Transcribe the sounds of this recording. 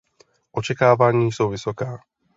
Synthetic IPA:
ʔɔt͡ʃɛkaːʋaɲiːsuʊʋisɔkaː

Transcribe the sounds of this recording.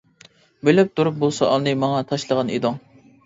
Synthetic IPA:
belɪp̚t̪ʰuɾup̚bolˠsɑʔɑlˠnɨmɑŋɑt̪ʰɑʃlˠəʁɑnḭd̪ʊŋ

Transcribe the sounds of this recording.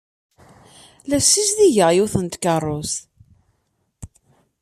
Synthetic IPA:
læfsisðiʝəʁjuθənt̪kərˤːʊs

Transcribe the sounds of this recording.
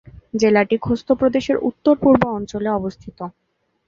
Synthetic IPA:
d͡ʑelaʈikʰost̪ʰopɾod̪eʃeɾṵt̪ːoɾpuɾboɔnt͡ɕoleɔbost̪ʰit̪o

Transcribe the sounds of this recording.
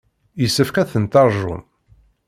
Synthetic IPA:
jəsːəfkæθənt̪ɑɾˤʒṵn

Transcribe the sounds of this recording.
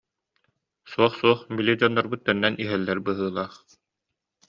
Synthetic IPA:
suɔχsuɔχmbilʲid͡ʑɔnːɔɾbɯt̪ːɛnːɛnʔiɦɛlːɛɾbɯɦɯːlˠaːχ

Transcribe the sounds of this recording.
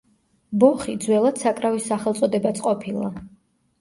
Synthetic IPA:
bɔχid̪zwɛlˠad̪̥sakʼɾavisːaχɛlˠt̪sʼɔd̪ɛbat̪sʰʼqʼɔpʰilˠa̰

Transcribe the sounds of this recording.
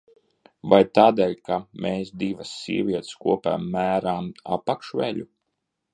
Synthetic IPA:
vajt̪aːd̪ɛːlʲkamʔeːsd̪ivɐsːḭɛvʲiɛt̪skuɔpæ̰ːmːæːɾaːma̰pakʃʋɛʎu

